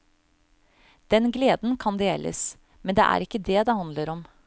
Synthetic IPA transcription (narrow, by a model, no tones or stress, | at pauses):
d̪̥ɛnɡleːd̪n̩kʰɑnd̪eːlʔə̰s | mɛnd̪eːʔæ̰ɾɪkːəd̪ɛd̪eːhɑnd̪ləɾɔm